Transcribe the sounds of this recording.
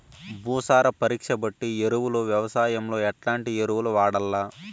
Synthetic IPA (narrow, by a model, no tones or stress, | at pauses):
bʱuːsaːɾɐpɐɾiːkʂɐbɐʈːieɾuʋuluʋjɐʋɐsaːjɐmlo̞ːɛʈlaːɳʈieɾuwuluʋaːɽɐlːaː